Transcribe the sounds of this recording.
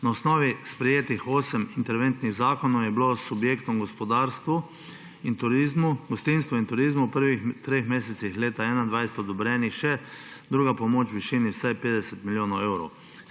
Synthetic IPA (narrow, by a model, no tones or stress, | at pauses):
naɔsnɔːʋispɾɛjeːt̪ixoːsɛmint̪ɛɾʋɛnt̪niɣzaːkɔnɔwjɛblosːubjeːkt̪ɔmɡɔspɔd̪aːɾst̪ʋu | int̪uɾizmuɡɔst̪inst̪ʋɔint̪ʊɾiːzmupəɾʋit̪ɾexmeːsɛt̪sixleːt̪aɛːnand̪ʋajsɛ̥t̪ɔd̪ɔbɾɛːnixʃɛd̪ɾuːɡapɔmoːt͡ʃwʋiʃiːniwsajpeːd̪ɛsɛt̪miljoːnɔwɛwɾɔw